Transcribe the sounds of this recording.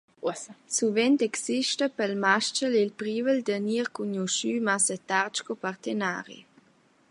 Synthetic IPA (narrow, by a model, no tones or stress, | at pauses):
suvɛnt̪ɛksiʃtəpəlmaʃt͡ʃəlilpɾiːvəld̪əniːʁkuɲuʃyːmasət̪aʁt͡ʃkopaʁt̪ena̰ːʁḭ